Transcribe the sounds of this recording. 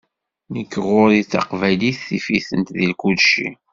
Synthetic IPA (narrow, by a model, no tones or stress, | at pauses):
nəkːʁʊɾit͡sːɑ̰qvæjliθθifiθənt̪ðilkud̪ʃḭ